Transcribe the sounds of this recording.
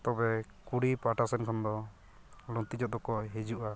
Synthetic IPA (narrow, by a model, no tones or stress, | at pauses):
t̪ɔbɛ | kuɽipaʈasɛnkʰɔnd̪ɔ | lɔnt̪id͡ʒɔt̪̚d̪ɔkɔɦed͡ʒuʔa